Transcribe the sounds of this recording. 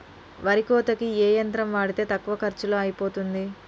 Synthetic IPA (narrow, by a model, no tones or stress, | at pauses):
ʋɐɾikoːt̪ɐkieːjɐnt̪ɾɐmʋaːɽit̪e̞ːt̪ɐkːuʋɐkɐɾt͡ʃuloːɐjipo̞ːt̪und̪i